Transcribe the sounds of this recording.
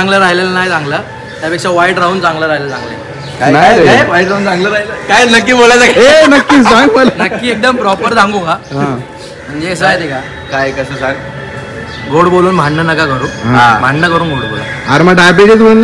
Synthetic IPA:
aŋɡləɾaɦilelənajt͡sãŋɡlə | t̪japekʂaʋaiʈɾaunt͡sãŋɡləɾaɦilət͡sã̰ŋɡlḛ | kajaajkajʋaiʈɾaũnt͡sãŋɡləɾailəkajnəkːiːbolajt͡sakaɦenəkːiːd͡zãŋɡməlanəkːiːek̚d̪əmpɾɔpəɾd͡zʱãŋɡukaɦ | m̤əɳd͡zeəsəajt̪eka | kajkəsəːsaɡ | ɡoɽboluːnm̤ʱaɳnənəkakəɾuːnɦãm̤ʱaɳnəkəɾuːnɡoɽbo̰la̰aɾməʈabeʈit͡sbʱolə

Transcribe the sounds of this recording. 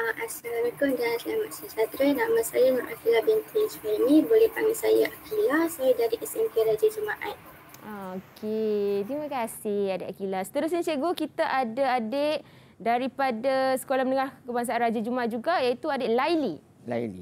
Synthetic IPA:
aʔasalamikʊndanslamat̪̚sət͡ʃat̪ɾənamasajaŋaʔakilabɛnt̪ʰiswanibolɛhpaŋɡisajaʔakʰilasajdaɾiʔɛsɛmpeɾad͡ʒad͡ʒumaʔat̪̚ | aokʰet̪ɾimãkasɪhadeʔ̪akilasə̥t̪əɾʊs̬ɲat͡ʃeɡokit̪aʔadaadeʔ̚ | daɾipadasə̥kolahmənəŋahkəbaŋs̬aʔanrad͡ʒad͡ʒumaat̪̚d͡ʒuɡajait̪uadɛʔlajli | la̰jlḭ

